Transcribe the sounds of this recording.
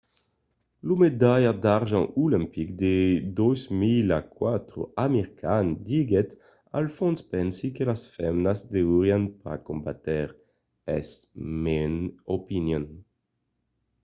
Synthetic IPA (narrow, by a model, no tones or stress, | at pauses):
lumed̪ajad̪aʁʒɑ̃ulɛ̃mpikd̪ed̪ozmilakwat̪ʁo̰ameʁikʰand̪iɡɛt̪ | a̰lfɔ̃nspɛnsikelasfɛmnazd̪euʁjanpa̰kõmbat̪ɛʁ | ɛ̰smenopinjɔn